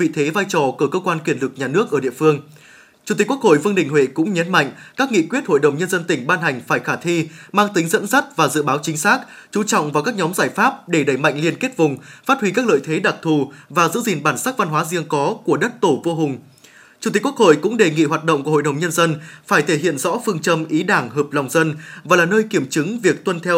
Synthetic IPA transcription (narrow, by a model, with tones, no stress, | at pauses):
vḭ˧˨t̪ʰe˨˦vaː˧jt͡ɕɔ˧˩kɨː˧˩kəː˧kwaː˧nkwi˧˩ənlɨ˨˩k̚ɲaː˨˩nɨ˦˥ək̚ʔəː˧˩ɗḭ˧˨əfɨ˧əŋ | t͡ɕu˧˩t̪i˨˩ku˥ə˥kho̰˧˨jvɨ˧əŋɗï˨˩ŋ̟ɦwḛ˧˨kʊ̰˧˥ŋ͡mɲə˨˦nma̰˧˨ŋ̟kaː˦˥k̚ŋḭ˧˨kwi˦˥ət̚ho̰˧˨jɗə˨˩wŋ͡mɲə˧nzə˧nt̪ï˧˩ŋ̟ɓaː˧nɦa˨˩jŋ̟faː˧˩jxaː˧˩t̪ʰi˧maː˧ŋt̪ï˨˦ŋzə̰˧˥nsa˦˥t̚vaː˨˩zɨ̰˧˨ɓaː˨˦wt͡ɕï˨˦ŋ̟saː˦˥k̚ | t͡ɕu˨˧˦t͡ɕɔ̰˧˨wŋ͡mva˨˩kaː˦˥k̚ɲɔ˨˦mzaː˧˩jfaː˦˥p̚ɗe˧˩ɗə˧˩jma̰˧˨ŋli˧ənke˦˥t̚vʊ˨˩ŋ͡mfaː˦˥t̚hwi˧kaː˦˥k̚lə̰ː˧˨jt̪ʰe˨˦ɗa˨˩k̚t̪ʰu˨˩vaː˨˩zɨ̰˧˥zi˨˩nɓaː˧˩nsaː˦˥k̚va˧nhwaː˨˦zi˧əŋkɔ˨˦ku˧˩əɗə˦˥t̚t̪o˧˩vo˧ɦʊ˨˩ŋ͡m | t͡ɕʊu˧˩t̪kə˥k̚ho̰˧˨jkʊ̰˧˥ŋ͡mɗe˨˩ŋḭ˧˨ɦwaː˨˩t̚ɗə̰˧wŋ͡mko̰˧˨jɗə˨˩wŋ͡mɲə˧nzə˧nfaː˧˩jt̪ʰe˧˩ɦḭ˧˨ənzɔ̰˧˥fɨ˧əŋt͡ɕə˧mʔi˨˦ɗaː˧˩ŋɦəː˨˩p̚la˨˩wŋ͡mzə˧nvaː˨˩laː˨˩nəː˧jki˧˩əmt͡ɕɨ˨˦ŋvi˨˩ək̚t̪wə˧nt̪ʰɛ˧w